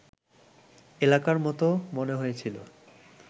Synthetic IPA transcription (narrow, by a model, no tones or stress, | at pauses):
elakaɾmɔt̪omoneɦojet͡ɕʰilo̰